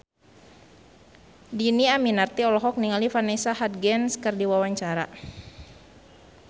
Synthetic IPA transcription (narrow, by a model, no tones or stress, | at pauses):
diniaminart̪iɔlɔɦɔk̚niŋalifanɛsahat̪̚ɡɛnskərdiwawaɲt͡ʃaɾa